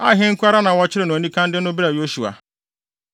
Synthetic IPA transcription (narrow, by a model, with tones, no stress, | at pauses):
a̰˦ɦɪ̃˦ŋ̩˦kʰʊ˦a˦ɾa˦nã˨wɔ˦t͡ɕʰɪ˦ɾɪ˨nʊ̃˨nĩ˦kʰã˦n˦dɪ˦nʊ̃˦bi˦ɾa˨jo˦ʃu˨a̰˨